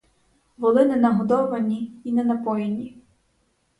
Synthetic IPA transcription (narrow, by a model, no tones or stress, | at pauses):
ʋɔlˠɪnɛnɐɦɔd̪ɔʋɐnʲiinɛnɐpɔjenʲi